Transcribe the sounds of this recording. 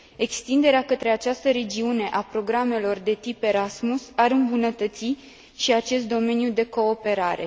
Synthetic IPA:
e̞kst̪ind̪e̞ɾeakət̪ɾe̞at͡ʃast̪əɾe̞d͡ʒiune̞ʔapɾo̞ɡɾame̞lo̞rd̪e̞t̪ipe̞ɾasmusaɾɨmbunət̪ət̪si | ʃiat͡ʃe̞st̪d̪o̞me̞njud̪e̞ko̞ːpe̞ɾaɾe̞̰

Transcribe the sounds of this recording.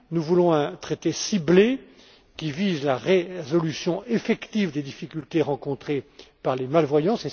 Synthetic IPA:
nuvulɔ̃ɛ̃t̪χet̪esible | kʲivizlaʁezɔlysjɔ̃ʔefɛkt̪ivd̪ed̪ifikʲylt̪eʁɑ̃kɔ̃t̪χepaʁlemalvwajɑ̃sɛ

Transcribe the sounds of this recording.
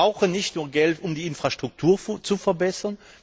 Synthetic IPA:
aʊxənɪçtnuːɐɡɛltʊmdiːɪnfʁ̥aʃtʁ̥ʊk̚tʰuːɐt͡sufɛɐbɛsɐn

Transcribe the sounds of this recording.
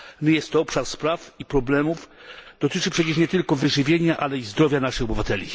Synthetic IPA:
nɘjɛst̪ːɔɔpʂaɾspɾafipɾɔblɛmufd̪̥ɔt̪ɘt͡ʂɘpʂɛt͡ɕɛʂɲɛt̪ɘlkɔvɘʐɘvʲjeɲaʔalɛizd̪ɾɔvʲjanaʂɘxɔbɘvat̪ɛlʲḭ

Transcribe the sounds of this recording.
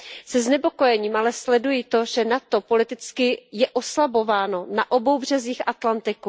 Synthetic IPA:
sɛznɛpo̞ko̞jɛɲiːmʔalɛslɛdujɪt̪o̞ʒɛnat̪o̞po̞lɪt̪ɪt͡skɪjɛʔo̞slabo̞vaːno̞naʔo̞bo̞wbr̝ɛziːxʔat̪lant̪ɪku

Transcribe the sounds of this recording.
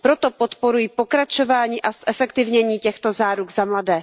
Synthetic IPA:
pɾot̪o̞pot̪poɾujipo̞kɾat͡ʃo̞vaːɲiːʔasʔɛfɛkt̪ɪvɲɛɲiːcɛxt̪o̞zaːɾuɡzamladɛː

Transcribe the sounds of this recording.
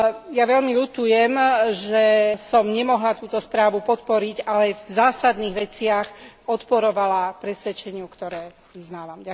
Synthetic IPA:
jaʋɛlmilut̪ujɛmʒɛsɔmɲɛmɔɦlat̪uːt̪ɔspɾaːʋupɔt̪pɔɾiɟalɛvzaːsad̪niːɣʋɛt͡sɪaxɔt̪pɔɾɔʋalapɾɛsʋɛt͡ʃɛɲɪukt̪ɔɾɛː | ʋiznaːʋamɟa

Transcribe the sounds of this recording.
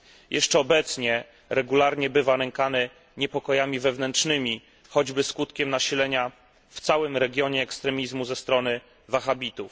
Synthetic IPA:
jʔɛʂt͡ʂɛɔbɛt̪sɲɛ | ɾɛɡulaɾɲɛbɘvanɛŋkanɘ | ɲɛpɔkɔjamʲivɛvnɛntʂnɘmʲi | xɔd͡ʑbɘskut̪kʲɛmnaɕilɛɲa | ft̪sawɘmɾɛɡʲjɔɲɛːkst̪ɾɛmʲizmuzɛst̪ɾɔnɘ | vaxabʲit̪uf

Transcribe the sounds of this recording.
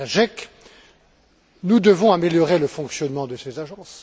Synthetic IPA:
aʒɛk | nud̪əvɔ̃ameljɔʁeləfɔ̃ksjɔnmɑ̃d̪əsezaʒɑ̃s

